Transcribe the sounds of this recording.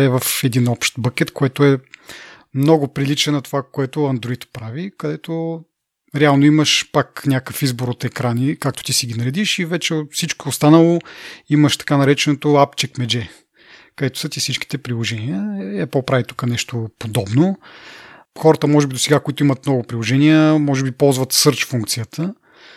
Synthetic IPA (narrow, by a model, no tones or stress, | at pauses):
ɛvɐfɛd̪inɔpʃt̪bəkʲɛt̪koɛt̪oɛ | mnɔɡʊpɾilit͡ʃɛnɐt̪ovakoɛt̪ʊɐnd̪ɾoit̪pɾavikɐd̪ɛt̪o | ɾɛalˠnoiməʃpaknʲakəfizboɾot̪ɛkɾanikakt̪o̥t̪isiɡʲinɐɾɛd̪iʃivɛt͡ʃɛfsit͡ʃkoːst̪anəlˠoiməʃt̪ɐ̥kanɐɾɛt͡ʃɛnot̪oapt͡ʃɛkmɛd͡ʒɛ | kɐd̪ɛt̪o̥sət̪ifsit͡ʃki̥t̪ɛpɾilˠoʒɛniəɛpolˠpɾavit̪u̥kənɛʃt̪opod̪ɔbno | xɔɾət̪əmɔʒɛbid̪osɛɡakoit̪oimɐt̪mnɔɡʊpɾilˠoʒɛniəmɔʒɛbipɔlˠzvɐt̪sɤɾt͡ʃfuŋk̚t̪sijət̪ʰə